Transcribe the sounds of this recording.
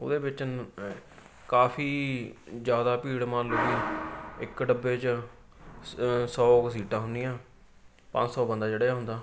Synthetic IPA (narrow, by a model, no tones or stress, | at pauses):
o̰d̪eːbɪt͡ʃ | kaːpʰiːd͡ʒjaːd̪aːpiːɽmaːluːɡiːɪkɖəbːeːt͡ʃ | sɔːksiːʈãːɦʊnd̪ijãː | pãːɲd͡ʒsɔːbənd̪aːd͡ʒeːɽeːaːɦʊ̃nd̪aː